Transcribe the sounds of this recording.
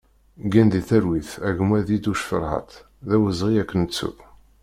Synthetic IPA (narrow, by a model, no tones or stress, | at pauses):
ɡænd̪iθæɾwiθæʝmæðid̪uʃfə̰ɾˤhə̰t̪ | ðæwəzʁiækːənt͡sːṵ